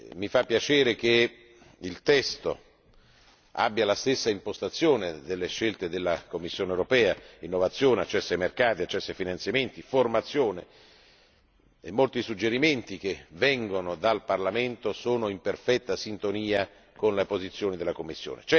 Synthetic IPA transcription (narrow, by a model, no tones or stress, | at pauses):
mifapːjat͡ʃeːɾek̟e | ilt̪ɛst̪o̰ | a̰bːjalast̪esːaimpost̪at̪sːjoːned̪elːeʃːelt̪ed̪elːakomːisːjoːnewɾopɛːainːovat̪sːjoːneat͡ʃːɛsːajmerkaːt̪iat͡ʃːɛsːajfinant̪sjament̪iformat̪sːjoːne | ḛmːolt̪isud͡ʒːeɾiment̪ik̟evɛŋɡonod̪alparlament̪osoːnoimperfɛt̪ːasint̪oniːa | konlepozit̪sːjoːnid̪elːakomːisːjo̰ːnḛt͡ʃɛ